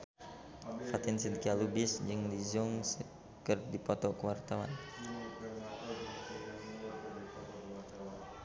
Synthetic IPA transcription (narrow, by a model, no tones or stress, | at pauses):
fat̪ɪnsinkialubɪsd͡ʒɨŋlizʊŋsə | kərdipɔt̪ɔkəwart̪awa̰n